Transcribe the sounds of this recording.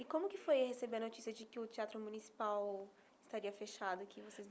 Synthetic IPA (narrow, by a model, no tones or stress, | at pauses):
ɪkõmʊkɪfojɐhesebeɾnot͡ʃisiɐd͡ʒɪkɪʊt͡ʃiat̪ɾʊmũnisi̥paw | ɪst̪aɾiɐfeʃad̪ʊkʰɪvosez